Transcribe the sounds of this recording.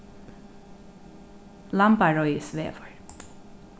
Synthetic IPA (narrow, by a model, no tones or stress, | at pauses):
lɑmbɑɹɔʏsʋḛːʋɔɹ